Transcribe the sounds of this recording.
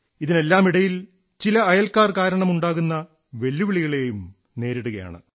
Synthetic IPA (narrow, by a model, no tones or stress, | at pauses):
iðine̞lːaːmiɽɐjil | t͡ɕilɐːjɐlkaːrkaːɾɐɳɐmuɳɖaːɣunːɐ | ʋe̞lːuʋiɭiɣɐɭe̞jum | ne̞ːɾiɽuɣɐja̰ːɳɨ̰